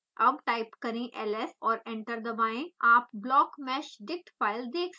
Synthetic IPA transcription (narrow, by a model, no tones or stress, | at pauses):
ɐbʈaːɪpkɐɾẽʔɛːlɛsɔːɾɛ̃ɳʈəɾd̪ɐbãːẽaːpblɔːkmɛːʃɖ̪ɪk̚ʈfʰaːɪld̪eːkʰ